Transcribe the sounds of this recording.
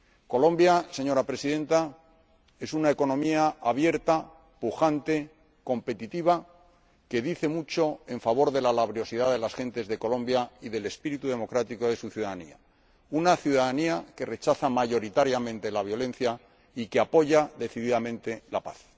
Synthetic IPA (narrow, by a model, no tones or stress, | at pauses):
ko̞lõ̞mbjase̞ɲo̞ɾapɾe̞siðẽ̞nt̪a | e̞sunae̞ko̞nõ̞miaaβ̞je̞ɾt̪a | puxant̪e̞ | ko̞mpe̞t̪it̪iβ̞a | ke̞ðiθe̞mut͡ʃo̞e̞ɱfaβ̞o̞ɾðe̞lalaβ̞ɾjo̞siðaðe̞lasxẽ̞nt̪e̞zðe̞ko̞lõ̞mbjaiðe̞le̞spiɾit̪uðe̞mo̞kɾat̪iko̞ðe̞suθjuðaðanḭa̰ | unaθjuðaðaniake̞re̞t͡ʃaθamaʝo̞ɾit̪aɾjamẽnt̪e̞laβ̞jo̞lẽ̞nθja | ikeapo̞ʝaðe̞θiðiðamẽ̞nt̪e̞lapa̰θ